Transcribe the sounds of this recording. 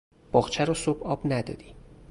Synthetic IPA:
b̥ɒːɣt͡ʃʰæɾɒsobɒːbnæd̪ɒ̰ːd̪i

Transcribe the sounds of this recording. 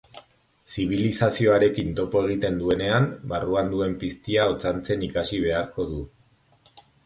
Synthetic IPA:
siβ̞ilisasio̞aɾe̞kint̪o̞po̞e̞ɣ̞it̪e̞nd̪ue̞ne̞ambaruand̪ue̞mpist̪iaot͡sant͡se̞nikasiβe̞aɾko̞ðu

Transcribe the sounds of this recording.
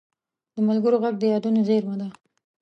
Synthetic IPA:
d̪əmalɡəɾoɣaɡ̚d̪əjɑd̪unozeɾmad̪a

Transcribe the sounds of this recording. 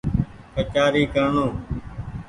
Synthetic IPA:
kət͡ʃaːɾiːkəɾɳoː

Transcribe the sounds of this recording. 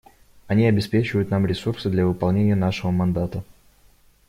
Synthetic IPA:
ɐnʲiɐbʲɪspʲet͡ɕɪvəjʊt̪namɾʲɪsursɨd̪lʲɐvɨpɐlˠnʲenʲɪjənaʂɨvəmɐnd̪at̪ə

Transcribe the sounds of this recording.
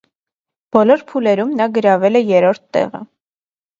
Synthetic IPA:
b̥ɔlɔɾpʰulɛɾumnɑɡəɾɑvɛlɛjɛɾɔɾt̪ʰːɛ̰ʁə̰

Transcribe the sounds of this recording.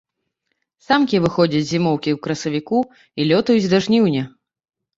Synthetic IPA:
samkʲivɨxɔd͡zʲɐt͡sʲzʲimɔwkʲiwkɾɐsɐvʲiku | ilʲɔt̪ujud͡zʲd̪aʐnʲiwnʲɛ

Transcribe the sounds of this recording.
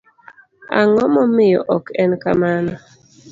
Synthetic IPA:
a̰ŋɔmɔmɪjɔʔɔkɛnkamanɔ

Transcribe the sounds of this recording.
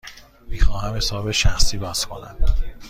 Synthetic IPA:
miːxɒːhæmhe̞sɒːbeʃæxsiːbɒːz̥kʰo̞næ̰m

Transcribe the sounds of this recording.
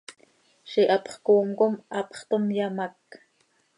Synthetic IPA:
ʃiʔɑpχkoːmkomʔɑpχt̪omjamak

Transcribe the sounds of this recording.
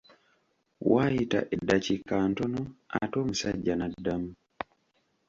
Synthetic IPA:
waita̰ʔɛdat͡ʃikantɔnɔatɔm̩saɟanadamu

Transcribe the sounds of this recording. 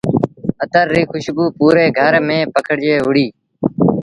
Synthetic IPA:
ət̪əɾːiːxʰʊʃbuːpuːɾeːɡʱəɾmẽːpəkʰəɽd͡ʒeːɦʊɽiː

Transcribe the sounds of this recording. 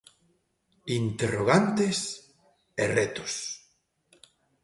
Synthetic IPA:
int̪eroɣ̞ant̪es | erɛt̪o̥s

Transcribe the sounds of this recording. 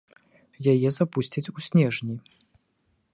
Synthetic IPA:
jajɛzapusʲt͡sʲɐt͡sʲusʲnʲɛʐnʲi

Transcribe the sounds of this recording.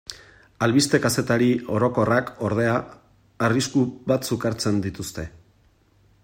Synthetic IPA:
alβist̪e̞kase̞t̪aɾio̞ɾo̞ko̞rako̞ɾð̞e̞aː | riskuβat̪sukaɾt͡se̞nd̪it̪ust̪e̞

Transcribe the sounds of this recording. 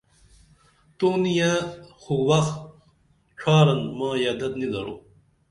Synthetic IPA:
t̪oːnijãːxuwɐxt̪ | ʈ͡ʂʰaːɾɐnmãːjaːd̪ɐt̪nid̪ɐɾo̰ː

